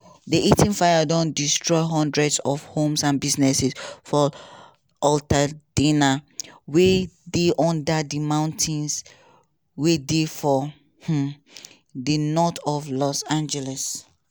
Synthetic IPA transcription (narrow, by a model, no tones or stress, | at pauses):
diʔitĩnfajadɔ̃ndistɹɔɪɦɔ̃ndɹɛdsɔfhõmsãnbiznɛsisfɔ | ɔltadĩnawedeʔɔ̃ndadimãʊ̃ntʰĩns | wedefɔ | h̩ | dinɔtɔvlɔsãnd͡ʒɛlɛs